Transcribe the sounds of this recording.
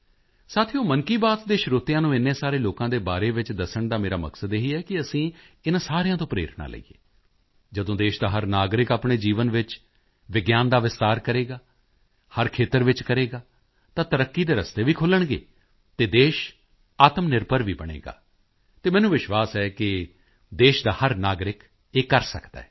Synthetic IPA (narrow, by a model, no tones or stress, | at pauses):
saːt̪ʰijõːməŋkiːbaːt̪d̪eːʃɾoːt̪ɪjãːnũːɪnːẽːsaːɾeːloːkãːd̪eːbaːɾeːʋɪt͡ʃd̪əsəɳd̪aːmeːɾaːmə̰ksəd̪eɦiːɛːkɪəsĩː | ɪnãːsaːɾejãːt̪õːpɾḛːɾəɳa̰ːlə̰ḭːḛː | d͡ʒəd̪õːd̪eːʃd̪aːɦəɾnaːɡɾɪkaːpɳ̃eːd͡ʒiːʋənʋɪt͡ʃ | ʋɪɡjaːnd̪aːʋɪst̪aːɾkəɾeːɡaː | həɾkʰeːt̪əɾʋɪt͡ʃkəɾeːɡaː | t̪ãːt̪əɾəkːiːd̪eːɾəst̪eːʋiːkʰʊləɳɡḛː | t̪eːd̪eːʃ | aːt̪əmnɪɾpəɾʋiːbəɽ̃ḛːɡa̰ː | t̪eːmɛːnũːʋɪʃʋaːsɛːkɪ | d̪eːʃd̪aːhəɾnaːɡɾɪk | eːkəɾsə̰kd̪a̰ːɦɛː